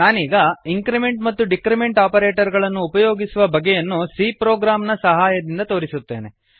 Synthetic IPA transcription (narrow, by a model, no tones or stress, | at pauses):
naːniːɡɐiŋkɾime̞ɳʈmɐt̪ːuɖikɾimeɳʈaːpɐɾeːʈɐɾɡɐɭɐnːuːpɐjoːɡisuʋɐbɐɡɛjɐnːusiːpɾoːɡɾaːmnɐsɐɦaːjɐd̪ind̪ɐt̪o̞ːɾisut̪ːe̞̰ːne̞